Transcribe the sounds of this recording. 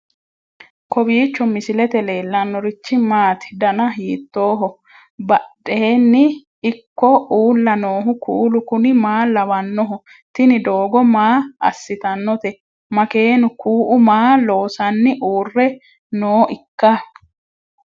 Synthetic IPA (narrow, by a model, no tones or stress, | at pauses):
kɔbiːt͡ʃːɔmɪsɪlɛt̪ɛle̞ːlːɐnːɔɾɪt͡ʃːɪmaːt̪ɪd̪ɐnɐɦiːt̪ːo̞ːɦɔ | bɐɗeːnːɪː | kːɔuːlːɐnoːɦʊkʰuːlʊkʊnɪmaːlɐwɐnːɔɦɔ | t̪ɪnɪd̪oːɡɔmaːɐ̰sːɪt̪ɐnːɔt̪ɛ | mɐke̞ːnʊkuːʔʊmaːlo̞ːsɐnːɪʔuːrːɛ | noːʔɪkːɐ